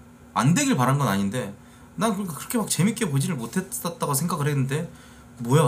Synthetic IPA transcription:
a̰nde̞ɡiɭpaɾanɡʌnaɲinde̞ | nankɯɾk͈akɯɾʌkʰe̞mak̚t͡ɕe̞mik͈e̞pod͡ʑiɾɯɭmotʰe̞s͈at̚t͈aɡasʰe̞ŋɡaɡɯɭɦenːɯnde̞ | mʌja

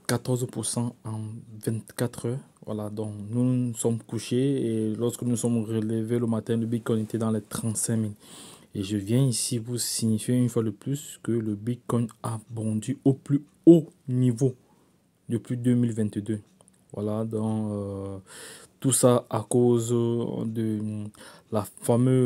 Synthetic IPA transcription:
kat̪ɔʁzpuʁsɑ̃ɑ̃vɛ̃t̪kat̪χœʁvwa̰lad̪ɔ̃knusɔmkuʃeelɔʁskənusɔmʁələveləmat̪ɛ̃ləbit̪̚kɔj̃et̪ɛd̪ɑ̃lɛt̪χɑ̃t̪sɛ̃mileʒəvjɛ̃isivusiɲifjeynfwad̪əplyskələbit̪̚kɔjabɔ̃d̪yoply | onivo | d̪əplyd̪ømilvɛ̃t̪d̪ø | vwa̰lad̪ɑ̃ø | t̪usaakozd̪ə | lafamø

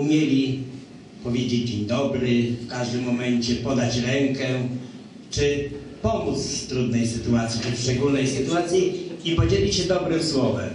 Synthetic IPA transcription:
umʲjelʲi | pɔvʲjed͡ʑed͡ʑd͡ʑiɲd̪ɔbɾɘfkaʐd̪ɘmːɔmɛɲt͡ɕɛpɔd̪at͡ɕɾɛŋkɛ | t͡ʂɘ | pɔmut̪ssst̪ɾud̪nɛjsɘt̪uat̪sʲjit͡ʂɘʂt͡ʂɛɡulnɛjsɘt̪uat̪sʲjiipɔd͡ʑelʲiɕɛd̪ɔbɾɘmswɔvɛ̰m

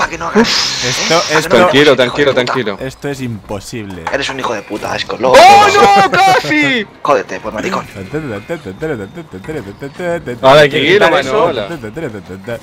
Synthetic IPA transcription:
pakenoɣufesoesɾaŋkilot̪ɾaŋkilot̪ɾaŋkiloest̪oesimposiβleeɾesunixoðe̞put̪a̰eskoloɣonokasikoðet̪epwoɾmaɾikon | olajkeilomanoola

